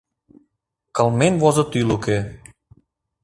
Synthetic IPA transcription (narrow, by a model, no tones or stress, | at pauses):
kɑlmenvozɤ̆t̪yluke